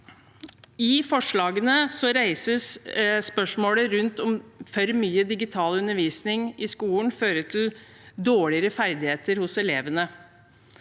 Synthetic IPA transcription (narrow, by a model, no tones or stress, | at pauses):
ɪfɔʂɭɑːɡənəsɔɾæɪsəsspœʂmoːləɾʉnt̪ɔmfœɾmyːəd̪ɪɡɪt̪ʰɑːlʉnəɾʋiːsnɪŋʔɪskuːln̩føːɾəʈʰɪl | d̪oːɭɪəɾəfæɾd̪ɪheːt̪əɾhʊsɛleːʋənə